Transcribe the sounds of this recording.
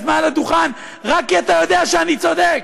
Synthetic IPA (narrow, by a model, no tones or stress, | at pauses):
tmalad̪uχan | ʁakːiat̪ajo̞d̪eaʃeanit͡so̞d̪ek